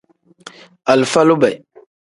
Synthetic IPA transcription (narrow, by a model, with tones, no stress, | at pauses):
a˨lfa˦lu˦ba˨j